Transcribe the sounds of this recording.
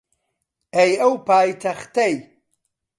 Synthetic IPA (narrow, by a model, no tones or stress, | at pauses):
ejɐwpʰaːjt̪ʰɐχt̪ʰɐj